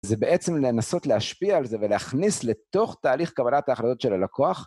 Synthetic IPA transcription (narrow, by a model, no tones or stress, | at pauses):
zebeʔe̞t͡se̞mlenaso̞tleaʃpiaːlze̞veleaχnisle̞to̞χt̪aːliχkabalat̪aːχɾad̪o̞t̪ʃelalakʰo̞aχ